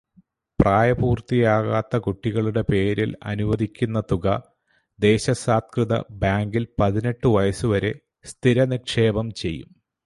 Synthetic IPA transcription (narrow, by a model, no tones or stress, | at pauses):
praːjɐbuːrt̪ijaːɣaːt̪ːɐkuʈːiɣɐɭuɽe̞pe̞ːɾilɐ̰nuʋɐðʱikʲːunːɐt̪uɣɐ | d̪e̞ːɕɐsaːt̪̚krɨðɐ̰baːŋɡilpɐðine̞ʈːɨʋɐjɐsuʋɐɾe̞̰ | st̪ʰiɾɐnikʂe̞ːbɐmt͡ɕe̞jːṵm